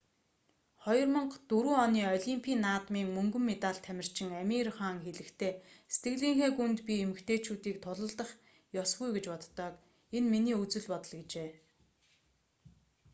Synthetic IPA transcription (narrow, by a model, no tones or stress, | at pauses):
χɔjɞ̆rmə̆ɴqt̪ɵɾuːɔniːɔɮʲimpʰiːnːaːt̪miːŋmɵŋɡɵ̆mːet̪aːɬt̪ʰːæmʲɪ̆r̥t͡ɕɪ̆ŋæmʲirχaːŋxeɮɘ̆kt̪ʰeːse̥t̪ʰɡɘ̆ɣɮiːŋxeːɡunt̪pʲiemɘ̆kt̪ʰeːt͡ɕuːt̪iːk̚t̪ʰʊɮə̆ɮt̪ə̆χ | jɔsɡujɡet͡ɕpɔt̪ːœːk | enminiːut͡sɘ̆ɮpɔt̪ɞ̆ɮɡet͡ɕeː